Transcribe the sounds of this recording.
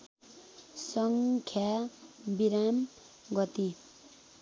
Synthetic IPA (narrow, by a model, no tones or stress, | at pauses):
sʌŋkʰjabiɾam | ɡʌt̪i